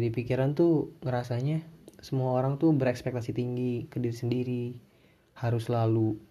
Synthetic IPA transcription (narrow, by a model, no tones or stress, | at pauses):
d͡ʒadipikiɾant̪uŋəɾasaɲasəmuaoɾaŋt̪ubəɾɛkspɛk̚t̪asit̪iŋɡikədiɾsəndiɾi | haɾʊslalu